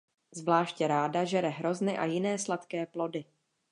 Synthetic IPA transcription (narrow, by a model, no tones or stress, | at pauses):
zvlaːʃcɛɾaːdaʒɛɾɛɦɾo̞znɪʔa̰jɪnɛːslat̪kɛːplo̞dɪ